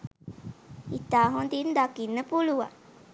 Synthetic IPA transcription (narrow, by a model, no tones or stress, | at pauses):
it̪aːɦond̪ind̪akinːəpuluʋa